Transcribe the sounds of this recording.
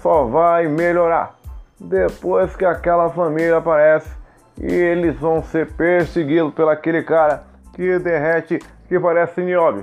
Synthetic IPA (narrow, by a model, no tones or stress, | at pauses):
sɔvajmeʎoɾa̰ɾd̪epojskɪakɛlɐfamilɐapaɾɛsɪ̥ | ɪ̰elɪzvɐ̃w̃seɾpeɾseɡid̪ʊpelakelɪkaɾɐ | kɪd̪eɦɛt͡ʃɪ | kɪpaɾɛsɪniɔbiʊ